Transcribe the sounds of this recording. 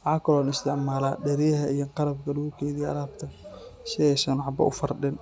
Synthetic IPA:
wħaːkʰɐlɔːnɪst̪ʰɪʕmaːla̰ːɖɛɾɪjɐɦɐijɐqɑɾɐb̚kʰɐluːkʰɛːðiɐ̰ɾaːbt̪ʰɐ | ʃɐɛsɐnʕɑbɐ̰ʔʊ̰fɐrɖɪn

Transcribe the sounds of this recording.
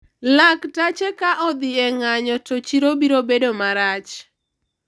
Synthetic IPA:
laktat͡ʃekaʔɔd̪ɪɛŋaɲɔtot͡ʃiɾobiɾobedomaɾat͡ʃ

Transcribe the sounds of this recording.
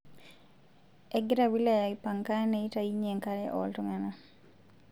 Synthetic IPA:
ɛɡɾawilajaipaŋkanɛitaiɲeŋkalɛʔɔ̰ltɔŋana

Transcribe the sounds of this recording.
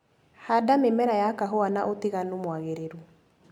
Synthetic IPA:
hadamemɛɾajakaɦɔanaʔoteɣanumwaɣeɾeɾu

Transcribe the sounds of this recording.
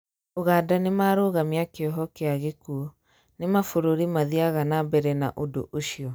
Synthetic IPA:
oɣaːdanemaːɾoːɣamiakeɔɦɔkeaɣekuo | nemafoɾoɾimaðiaɣanabɛɾɛnaʔodo̰ʔoʃiɔ

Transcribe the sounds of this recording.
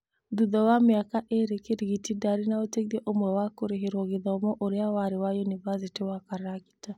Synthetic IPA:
d̪uðɔwamiakaʔeɾekeɾiɡitidaɾinaoteɣiɛʔomwɛwakoɾeɦeɾɔɣiðɔmɔʔoɾeawaɾewajunivasitiwakaɾaki̥ta

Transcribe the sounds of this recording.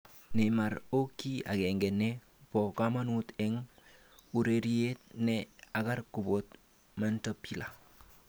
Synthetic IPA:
nemaɾokːia̰kɛŋɡɛnɛ | pɔkamanutɛŋ | uɾeɾiet̚nɛakarkubot | mantopila

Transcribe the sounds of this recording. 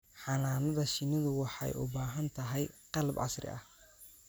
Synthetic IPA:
ħɑnaːnɐðɐʃɪnɐðʊwɑħɑ̰jʊ̰baːɦɐnt̪ʰɐɦɛjqɑlbʕɑ̰srɪ̰ɐ̰h

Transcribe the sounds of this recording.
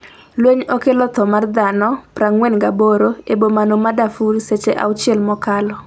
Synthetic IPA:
lweɲɔkelɔt̪ɔmard̪anɔpɾaŋwɛnɡaboɾoebomanomadafuɾset͡ʃeʔa̰wt͡ʃɪɛlmɔkalɔ

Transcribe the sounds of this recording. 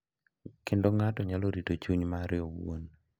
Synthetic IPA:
kɪndoŋatɔɲaloɾitot͡ʃuɲmaɾɪɔwo̰n

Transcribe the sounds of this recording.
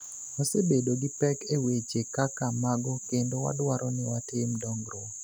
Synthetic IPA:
osebedoɡɪpɛkewet͡ʃekakamaɡɔkendowa̰dwaɾʔɔnɪwatɪmdɔŋɡɾo

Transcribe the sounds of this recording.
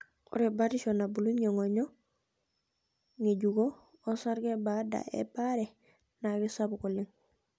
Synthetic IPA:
ṵɾebaɾiʃonabuluɲɲeŋoɲo | ŋeɟuɡo | osaɾɡebada̰ḛbaɾe | naɡisabukuliŋ

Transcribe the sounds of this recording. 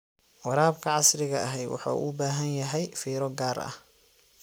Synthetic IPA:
wɑɾaːbkʰɐʕɑsrɪɣɐɐɦɛjwɑ̰ħṵːʔʊbaːɦɐnjɐɦɛjfiːɾɔɡaːɾɐ̰h

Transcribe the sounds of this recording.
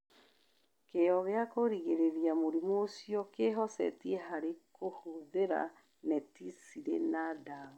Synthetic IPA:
keɔɣeakoɾiɣeɾeɾiamoɾimoːsijɔkeɦɔsɛ̰tieɦaɾekʰohoðeɾa̰ | nɛtisiɾḛnadao

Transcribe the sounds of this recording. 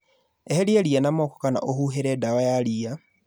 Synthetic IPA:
eheljelianamoːko̥kana̰ʔohuɦeɾedawajalia

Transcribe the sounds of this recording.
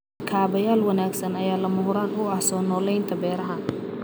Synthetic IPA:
kʰaːβɐjaːlwɐnaːɡsɐnɐjaːlɐmʊɦʊɾaːnʊɐhsɔːnɔːlɛjnt̪ʰɐbɛːɾɐɦɐn

